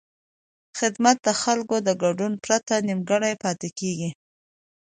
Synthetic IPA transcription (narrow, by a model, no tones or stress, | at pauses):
xɪd̪mat̪̚d̪əxalkod̪əɡaɖunpɾat̪animɡəɽajpɑt̪ekeɡi